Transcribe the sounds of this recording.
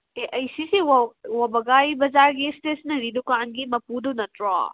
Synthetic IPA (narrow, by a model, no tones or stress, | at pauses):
eʔɐjsisiwwɐbɐɡajbɐzaɾɡistesnɐɾidukanɡimɐpudunɐtɾɔ̰